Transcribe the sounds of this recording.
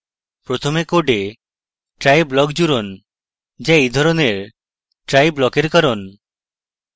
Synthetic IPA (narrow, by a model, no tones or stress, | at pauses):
pɾot̪ʰomekoɖe | ʈɾajblɔkd͡ʒuɾon | d͡ʒaejd̪ʱɔɾoneɾ | ʈɾajblɔkeɾkaɾon